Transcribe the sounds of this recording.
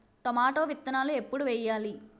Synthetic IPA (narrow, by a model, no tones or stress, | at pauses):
t̪ɔmaːʈoːʋit̪ːɐnaːluepːuɽuʋɛjːaːli